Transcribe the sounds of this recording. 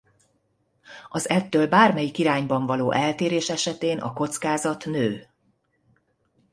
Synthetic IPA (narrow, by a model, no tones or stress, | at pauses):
ɒzɛt̪ːøːlbaːrmɛjikiɾaːɲbɒɱvɒloːʔɛlt̪eːɾeːʃɛʃɛt̪eːnʔɒ̰ko̞t̪skaːzɒt̪nøː